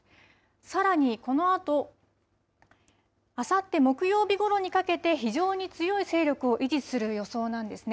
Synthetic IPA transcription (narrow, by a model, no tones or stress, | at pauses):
saɾaɲ̟iko̞no̞at̪o̞ | asat̪ːe̞mo̞kɯ̟jo̞ːbʲiɡo̞ɾo̞ɲ̟ikake̞t̪e̞çiʑo̞ːɲ̟it͡sɨjo̞ise̞ːɾʲo̞kɯ̟o̞ʔid͡ʑit͡sɨ̥sɨɾɯ̟jo̞so̞ːnãnd̪e̞sɨne